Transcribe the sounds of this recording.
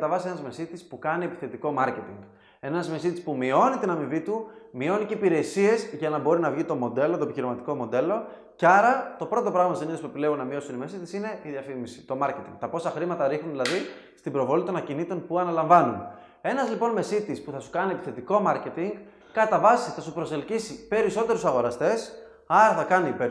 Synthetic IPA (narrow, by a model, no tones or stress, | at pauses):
t̪ɐvɐsie̞nɐzme̞sit̪ispukɐnie̞pi̥θe̞t̪iko̞mɐɾce̞t̪iŋɡ | e̞nɐzme̞sit̪ispumio̞nit̪inɐmivit̪umio̞niceipiɾe̞sie̞zʝɐnɐbo̞ɾinɐvʝit̪o̞mo̞d̪e̞lo̞t̪opiçiɾimɐt̪iko̞mo̞d̪e̞lo̞ | cɐɾɐt̪o̞pɾo̞t̪o̞pɾɐɣmɐsiniðospuepilevunːɐmio̞sunime̞sit̪i̥sine̞iðjɐfimisi̥t̪o̞mɐɾce̞t̪iŋɡ̥̚t̪ɐpo̞sɐxɾimɐt̪ɐɾixnunðilɐði | st̪ibɾo̞vo̞lit̪o̞nɐcinit̪o̞npuɐnɐlɐɱvɐnun | e̞nɐzlipo̞nme̞sit̪ispuθɐsu̥kɐnie̞pi̥θet̪iko̞mɐɾce̞t̪iŋɡ | kɐt̪ɐvɐsiθɐsupɾo̞se̞lcisipe̞ɾiso̞t̪e̞ɾusɐɣo̞ɾɐst̪e̞s | ɐɾɐθɐkɐniːpe